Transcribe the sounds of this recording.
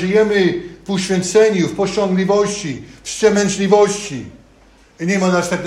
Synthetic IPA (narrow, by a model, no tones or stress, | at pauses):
ʐɨjɛmɘvuɕfʲjɛ̃nt̪sɛɲufpɔɕɔ̃ŋɡlʲivɔɕt͡ɕifst͡ɕɛmɛnt͡ɕlʲivɔɕt͡ɕi | ɲɛmanaʂt̪ɛkn